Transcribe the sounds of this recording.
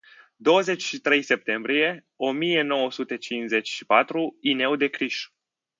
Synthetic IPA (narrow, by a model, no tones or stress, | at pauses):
d̪o̞wəze̞t͡ʃʲʃit̪ɾe̞jse̞p̚t̪e̞mbɾije̞ | o̞mije̞no̞wəsut̪e̞t͡ʃinze̞t͡ʃʲʃi̥pat̪ɾuine̞wd̪e̞kɾiʃ